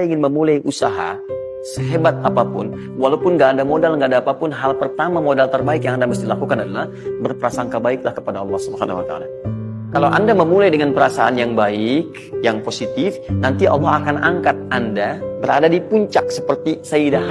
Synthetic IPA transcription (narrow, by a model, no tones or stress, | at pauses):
iŋɪnməmulajʔusaɦa̰ | səɦebat̪̚apapʊn | walawpʊnɡaːdamodalŋɡaʔːdaːpapʊnɦalpərt̪amamodalt̪ərbaɪkjaŋandaməs̬t̪iilakukanadalah | bərpəɾasaŋkabaɪklahkəpadaɑlːɑhsubəha̰na̰hwat̪a̰a̰la | kalawʔa̰ndaməmulajdəŋanpəɾasaʔanjaŋbaɪk | jaŋposit̪ɪfnant̪iʔɑ̰lːɔhakanaŋkat̪̚andabəɾa̰dadipuɲt͡ʃak̚sə̥pərt̪isəida